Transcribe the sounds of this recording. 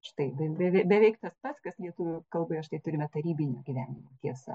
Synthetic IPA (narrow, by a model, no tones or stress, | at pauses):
ʃt̪ɐɪbʲɛbʲɛʋʲɛbʲɛʋʲɛɪkt̪ɐspɐt̪skɐslʲiɛt̪ʊʋʲʊkɐlˠbɐɪɐʃt̪ɐɪt̪ʊɾʲɪmʲɛt̪ɐɾʲiːbʲɪnʲoɡʲiʋʲæːnʲɪmʲoːt̪ʲiɛsɐ̰